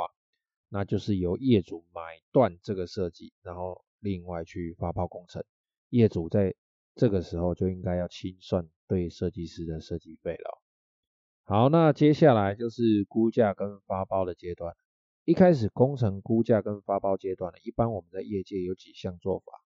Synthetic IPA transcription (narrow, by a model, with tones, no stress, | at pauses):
a˨˩ | na˥˧t͡ɕjo˥˧ʊʂɻ̩˥˩jo˨˦ʊjɛ˥˩t͡su˨˩˦ma˨˩˦ɪt̪wa˥˨nʈ͡ʂɤ˥˩ɡə˩ʂɤ˥˧t͡ɕḭ˥˩na˧˦nxo˥˩˧ʊ | li˥˧ŋwa˥˧ɪt͡ɕʰy˥˩fa˦pɑ˥ʊko˦ŋt͡sʰə̰˨˧˦ŋ | jɛ˥˩t͡su˨˩˦t͡sa˥˧ɪ | ʈ͡ʂɤ˥˩ɡə˩ʂɻ̩˧˦xo˥˧ʊt͡ɕjo˥˧ʊi˦ŋka˥ɪja˥˩ʊt͡ɕʰi˦nswa˥˧˨nt̪we˥˩ɪʂɤ˥˧t͡ɕi˥˨ʂɻ̩˥d̪ə˨ʂɤ˥˧t͡ɕi˥˧fe˥˩ɪlə̰˨˩ | ha˨˦ʊna˥˨t͡ɕjɛ˥˦ɕja˥˩la˧˦ɪt͡ɕjo˥˧ʊʂɻ̩˥˩ku˦t͡ɕja˥˨kə˦nfa˦pɑ˥ʊd̪ə˨t͡ɕje˦t̪wa˥˨˩nə˩ | i˥kʰa˥ɪʂ̬ɻ̩˨˩ko˦ŋt͡sʰə˧˥ŋku˦t͡ɕja˥˨kə˦nfa˦pɑ˥ʊt͡ɕjɛ˦t̪wa˥˩nə̰˩ʔi˥˩pa˦nwɔ˨mə˨˦nd̪ə˧jɛ˥˧t͡ɕjɛ˥˩jo˨˧˥ʊt͡ɕi˨˩ɕja˥˧ŋt͡swɔ̰˥˨fa̰˨˩˦